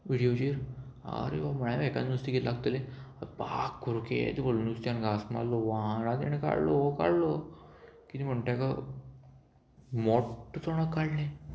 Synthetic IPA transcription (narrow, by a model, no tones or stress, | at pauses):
ʋiɽijod͡ʑiɾa̰ɾḛʋam̤əɳ̃ajaʋɛkãnnust̪iɡellaɡt̪eleəpa̰kːuɾkḛt̪ebolnust̪janɡasma̰lːoʋaɽãd̪ḛñeka̰ɽloka̰ɽlo | kit̪im̤əɳʈ̪aka | mɔʈt͡soɽ̃akːaɽnẽ